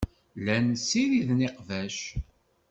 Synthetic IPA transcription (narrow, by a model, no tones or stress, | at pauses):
lænsiɾiðneqvæʃ